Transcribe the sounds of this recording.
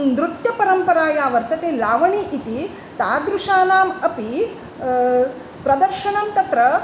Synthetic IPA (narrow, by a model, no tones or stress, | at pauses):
nd̪ɾut̪jɐpɐɾɐmpɐɾaːjaːʋɐɾt̪ɐt̪eːlaːʋɐɳiʔit̪i | t̪aːd̪ɾuʂaːnaːmɐpi | pɾɐd̪ɐɾʃɐɳɐmt̪ɐt̪ɾɐ